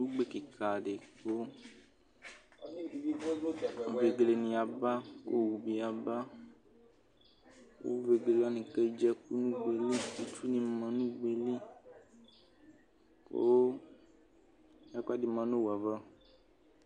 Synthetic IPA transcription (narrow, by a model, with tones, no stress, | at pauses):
nũ˦ɡ͡be˦ke˨ka˨ɖe˨ko˦˨ | ve˨ɡle˨nĩ˨a˨ba˦ko̰˦wu˨bi˨a˨ba˦ | ko̰˦ve˨ɡle˨lɔ˦nĩ˨ke˦d͡ʒɛ˦ku˦nũ˦ɡ͡be˨li˦u˦t͡ʃu˦nĩ˨mã˨nũ˦ɡ͡be˨li˦ | ko̰˦ | ja˦ka˦di˨mã˨nõ˦wa˨va˦